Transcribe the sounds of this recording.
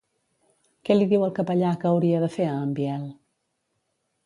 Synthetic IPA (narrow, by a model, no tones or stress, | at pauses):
kɛliðiwəlˠkəpəʎakəːwɾiəðəfeəːmbiɛlˠ